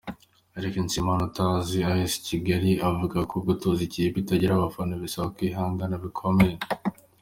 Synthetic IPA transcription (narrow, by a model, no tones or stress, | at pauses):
aɾekinsimanotaziaesi̥ciɡaɾiavuɡakobɡotoziciebitaɟiɾaβafanoβisaβakwiɦaːŋɡanaβikʰomen